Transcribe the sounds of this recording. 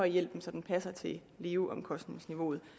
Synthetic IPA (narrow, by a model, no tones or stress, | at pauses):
ɒ̽ɪjel̰b̥m̩sɒ̽d̥en̩pʰæsɐt͡sʰe̝ | leːuʔɒ̽mkʰɒ̽sd̥ne̝ŋsniʋo̝̰ːð̞̩ˠ